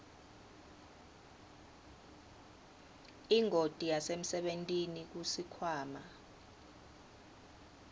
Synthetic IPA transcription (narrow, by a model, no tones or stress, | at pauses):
iŋʱotʼijasem̩sɛɓentʼinik̬usikʰwaːma